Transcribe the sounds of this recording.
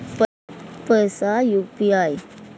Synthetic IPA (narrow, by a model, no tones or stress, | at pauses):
p | pəsajupiaj